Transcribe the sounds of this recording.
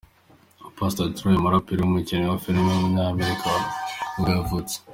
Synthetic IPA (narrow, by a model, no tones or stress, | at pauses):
opastatuɾujemaɾapiɾeumicinewafilimeɲaːmeɾikʰauɡavut͡se̥